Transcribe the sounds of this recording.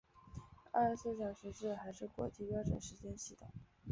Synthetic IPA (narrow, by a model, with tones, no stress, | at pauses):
a̰˥˧ʂsɹ̩˥˩ɕjɑ˨˩ʊɕɥɛ˧˥ʈ͡ʂɻ̩˥˩xa˧˥ɪʂɻ̩˥˩kwɔ̰˧˥t͡ɕi˥˩pjɑ˥ʊʈ͡ʂə̰˨˩nʂɻ̩˧˥t͡ɕjɛ˥nɕi˧˥˩t̪o̰˩˦